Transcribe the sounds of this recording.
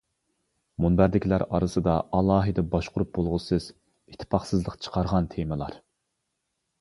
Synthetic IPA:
munbæɾd̪ɪkʲʰlæɾɑ̰ɾɨsɨd̪ɑʔɑlˠɑːɦɨd̪ɛbɑʃqʰʊɾup̚bolˠʁʊsɨz̥ | it̪ʰːɪ̥pʰɑχsɨzlˠəqt͡ʃʰə̥qʰɑɾʁɑnt̪ʰemɨlˠɑ̰ɾ

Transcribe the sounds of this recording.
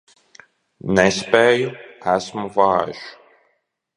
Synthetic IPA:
nɛspɛjæsmvaːʒ

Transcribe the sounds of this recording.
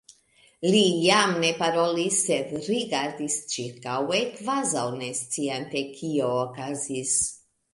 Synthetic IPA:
lijamnepaɾɔlisevɾiɡaɾd̪ist͡ʃiɾkawekvazawnest̪t͡s̪iɛnt̪ekʰiokazis

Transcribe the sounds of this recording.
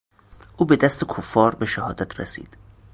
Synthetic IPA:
ʔuːbe̞d̪æst̪ʰekʰofːɒːɾbeʃæhɒːd̪æt̪ʰrḛsḭːd̪̥

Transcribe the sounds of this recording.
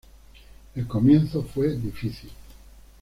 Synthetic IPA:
elkomjẽnθofwed̪ifiθil

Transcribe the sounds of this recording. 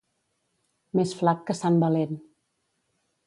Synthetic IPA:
mesflakːəsambəlen

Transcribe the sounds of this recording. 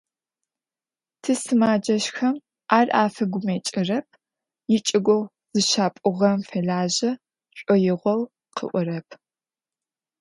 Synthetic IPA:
tʰɨsɨmaːd͡ʒɐʃxɐm | ʔaːrʔaːfɐɡʷʊmeːt͡ʃʼɪrɐp̚ʰ | jɪt͡ʃʼɪɡʷɔw | z̥ɨʃaːpʼʊʁɐmfɐɮaːʑɐ | ɕʷʼɔjɪʁʷɔw | qʰə̰ʔʷʊɾɐpʰ

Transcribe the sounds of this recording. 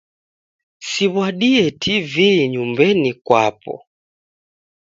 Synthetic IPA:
siβwaɗiɛtʰiviɲumbɛnikwapɔ̰

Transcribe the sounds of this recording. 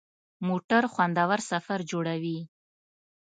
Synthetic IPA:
moʈaɾxwand̪awaɾsafaɾd͡ʒoɽawi

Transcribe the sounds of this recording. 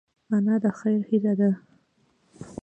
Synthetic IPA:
manad̪əxajɾhilad̪a

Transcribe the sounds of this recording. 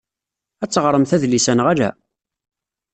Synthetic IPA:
æt͡sːəʁɾˤəmθæðlisænʁælæ̰

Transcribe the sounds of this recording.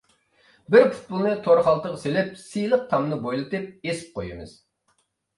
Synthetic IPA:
bɪɾpʰʊ̥t̪̚pulˠnɨt̪ʰoɾχɑlˠt̪əʁselɪp̚sijlˠəq̚t̪ʰɑmnɨbojlˠɨt̪ɨp̚esɪ̥p̚qʰojɨ̰mɨ̰z̥

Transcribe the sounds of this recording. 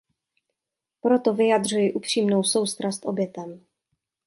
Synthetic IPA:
pɾot̪ovɪjad̪r̝ujɪʔupr̝̥iːmno̞wso̞wst̪ɾast̪ʔo̞bjɛt̪ɛm

